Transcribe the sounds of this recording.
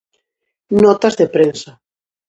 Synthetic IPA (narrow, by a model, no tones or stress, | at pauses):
nɔt̪azðepɾensa